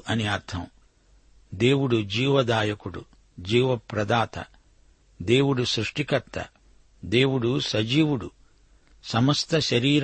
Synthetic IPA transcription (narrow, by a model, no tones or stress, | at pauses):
ʔɐniɐɾt̪ʰɐm | d̪e̞ːwuɽud͡ʒiːʋɐd̪aːjɐkuɽṵ | d͡ʒiːʋɐpɾɐd̪aːt̪ɐ̰ | d̪e̞ːwuɽusɾuʂʈikɐt̪ːɐ̰ | d̪e̞ːwuɽusɐd͡ʒiːwuɽu | sɐmɐst̪ʰɐʃɐɾiːɾ